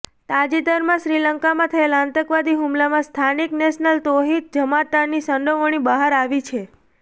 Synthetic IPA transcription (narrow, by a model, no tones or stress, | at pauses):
t̪ad͡ʒid̪əɾmãʃɾiləŋkamãt̪ʰəelãnt̪əkʋad̪iɦumlamãst̪ʰanikneʃnəlt̪oɦit̪̚d͡ʒəmat̪aɾnisəɳɖ̪oʋəɳ̃ibaɦaɾaʋit͡ʃʰe